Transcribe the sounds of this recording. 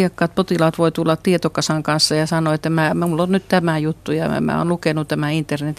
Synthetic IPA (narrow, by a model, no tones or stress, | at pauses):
iɑkːɑːt̪̚pot̪ilɑːt̪ʋoit̪ulːɑt̪t̪iet̪okɑsɑŋkɑnsːɑjɑsɑnoet̪ːæmæːmulːonnyt̪t̪æmæjut̪ːujɑ̰mæ̰ːo̰nlukenut̪æmæint̪ːernet̪